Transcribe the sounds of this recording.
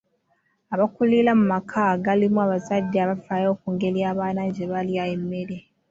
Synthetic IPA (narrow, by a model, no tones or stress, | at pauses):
aβakulilamumakʰaɡalimuaβazadːeaβafaːjo̞ːkuːŋɡe̞ljaːβaːnaɲɟeβaljaemːeɾe